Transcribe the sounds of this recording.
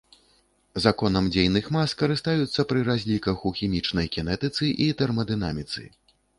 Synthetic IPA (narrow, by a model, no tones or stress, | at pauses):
zakɔnɐmd͡zʲejnɨxmaskɐɾɨst̪ajut̪sːɐpɾɨɾazʲlʲikɐxuxʲimʲit͡ʂnɐjkʲɛnɛt̪ɨt̪sɨʔit̪ɛrmɐd̪ɨna̰mʲit̪sɨ̰